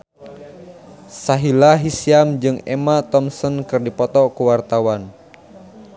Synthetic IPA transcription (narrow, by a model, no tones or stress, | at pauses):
saɦilaɦisiamd͡ʒɨŋɛ̰mat̪ɔmsɔnkɨrdipɔt̪ɔkuwart̪awan